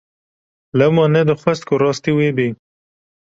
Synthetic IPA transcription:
ləmɑned̪əxwast̪̚koɾɑst̪iwebi

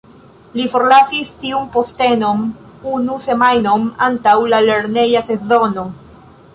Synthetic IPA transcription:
lifo̞ɾlasistiumpo̞ste̞no̞m | unuse̞majno̞ma̰ntawlale̞ɾne̞jase̞zo̞no̞

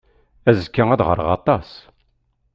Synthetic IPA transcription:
æzəkːææðʁə̰ɾʁɑ̰t̪ˤɑs

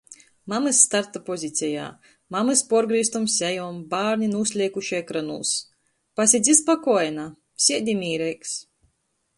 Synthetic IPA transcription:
mamɨsːt̪aɾt̪apɔzʲit̪sʲɛja̰ː | mamɨspɔɔɾɡɾiːst̪umsʲɛjɔːmbaːɾnʲinuːsʲlʲiɛkuʃɛjkɾanṵlˠs | pasʲid̪zʲispakɔɔjɛna | sʲiɛd̪ʲimʲiːɾɛjks

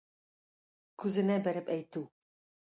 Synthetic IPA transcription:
kʉzɘ̆næbæɾɘpæjt̪ʉ

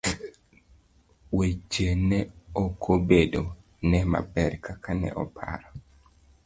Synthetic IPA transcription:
wet͡ʃenɛokʰobedo | nɛma̰bɛrkakʰanɛ̰ʔɔpʰa̰ɾɔ

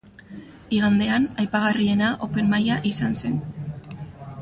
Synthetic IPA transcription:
iɣ̞and̪e̞anajpaɣ̞arie̞naʔo̞pe̞mmːajaʔisanse̞n

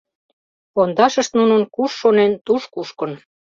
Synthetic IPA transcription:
ond̪ɑʃə̆ʃt̪nunənkuʃːonent̪uʃkuʃkɤ̆n

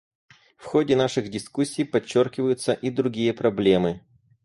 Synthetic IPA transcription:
fxodʲɪnaʂɨɣdʲɪskusʲːijpɐt͡ɕːorkʲɪvəjʊt̪səʔid̪ɾʊɡʲijəpɾɐblʲemɨ

